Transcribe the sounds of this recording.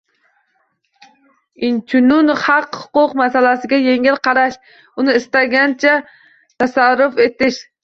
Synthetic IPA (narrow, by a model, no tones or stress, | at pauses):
int͡ʃʰynunχɑqhʊ̥qʊqmæsælæsɪɡʲɛjeŋɪlqʰɑɾɑʃ | unɨːst̪ɛɡʲɛnt͡ʃʰɛ | t̪æsaɾːʊfet̪ɪʃ